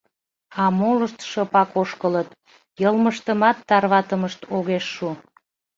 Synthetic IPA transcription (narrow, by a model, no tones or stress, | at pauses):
ɑmoləʃt̪ʃəpɑkoʃkələt̪ | jəlməʃt̪əmɑt̪ːɑrβɑt̪əməʃt̪ʰoɣeʃːu